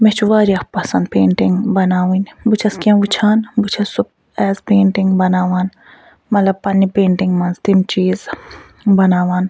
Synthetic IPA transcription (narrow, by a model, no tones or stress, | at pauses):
mɛt͡ʃʰuʋaːɾijɐkpɐsɐnd̪̚peːɳʈiŋɡbɐnaːwinbut͡ʃʰɐskiãʋut͡ʃʰaːnbut͡ʃʰɐsup̚ | ɛːzpeːɳʈiŋɡbɐnaːʋaːn | mɐt̪lɐbpɐnːipẽːɳʈiŋɡmɐnzt̪imt͡ʃiːz | bɐnaːʋaːn